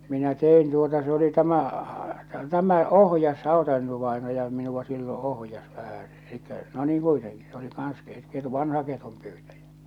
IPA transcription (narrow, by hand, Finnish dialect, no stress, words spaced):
minæ tein tuotɑ se oli tæmæ tæmæ ohjɑs hɑˑotɑeinoʋɑenɑjɑ minuʋɑ silːõː ohjɑs ʋæhæse̥ elikːæ no niːŋ kuiteŋki s oli kɑːns ket ketu ʋɑnhɑ ketumpyːtæjæ